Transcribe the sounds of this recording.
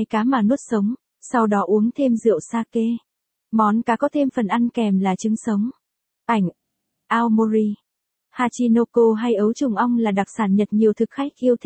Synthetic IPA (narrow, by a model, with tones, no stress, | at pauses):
jkaː˨˦maː˨˩nu˦˥ət̚sə˨˦wŋ͡m | sa˧wɗɔ˨˦ʔu˨˦əŋt̪ʰe˧mzɨ̰˧˨əwsaː˧ke˧ | mɔ˨˦nkaː˨˦kɔ˨˦t̪ʰe˧mfə˨˩nʔa˧nkɛ˨˩mlaː˨˩t͡ɕɨ˨˦əŋsə˨˦wŋ͡m | ʔa˧˩jŋ̟ | ʔaː˧wmo˧zi˧ | haː˧t͡ɕi˧no˧ko˧ɦa˧jʔə˨˦wt͡ɕʊ˨˩ŋ͡mʔə˧wŋ͡mlaː˨˩ɗa˨˩k̚saː˧˩nɲə˨˩t̚ɲi˨˩əwt̪ʰɨ˨˩k̚xa˦˥jk̟̚ʔi˧əwt̪ʰ